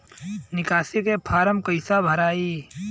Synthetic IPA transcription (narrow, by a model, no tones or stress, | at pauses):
nɪkaːsikepʰaːɾəmkəɪsabʱɐɾaːiː